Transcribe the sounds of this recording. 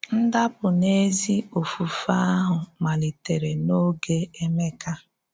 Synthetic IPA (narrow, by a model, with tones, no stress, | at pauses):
n̩˦da˦pʊ˨ne˦zi˦o˨fu˨fa˦a˦ɦʊ˨ma˨li˨te˨ɾe˨no˦ɡe˦e˦me˦ka˦